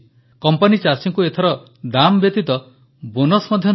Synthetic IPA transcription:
kɔmpanit͡ʃasiŋkuet̪ʰɔɾɔ | d̪ambjet̪it̪ɔ | bonɔsmɔd̪ʱjɔ

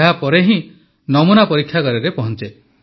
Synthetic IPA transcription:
ɦapɔɾeɦĩ | nɔmunapɔɾikʰːjakɔɾeɾepɔɦɔnt͡ʃe

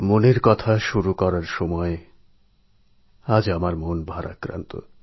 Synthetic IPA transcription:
moneɾkɔt̪ʰaʃuɾukɔɾaɾʃɔmɔe | ad͡ʑamaɾmonbʱaɾa̰kɾa̰nt̪o̰

